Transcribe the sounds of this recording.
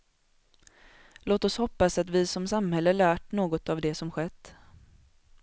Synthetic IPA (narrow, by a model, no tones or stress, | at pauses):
loːt̪ɔshɔpːasat̪vɪsɔmsamhɛlːəlæːʈɳoːɡɔt̪avd̪ɛsɔmɧɛt̪ː